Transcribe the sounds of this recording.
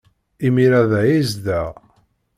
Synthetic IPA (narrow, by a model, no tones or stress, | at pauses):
imiɾæðæjizd̪æ